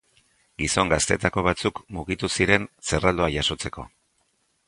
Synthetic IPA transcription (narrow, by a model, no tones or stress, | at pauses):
ɡiso̞ŋɡast̪e̞ːt̪ako̞β̞at͡sukmuɣit̪usiɾe̞nse̞rald̪o̞ajaso̞t͡se̞ko̞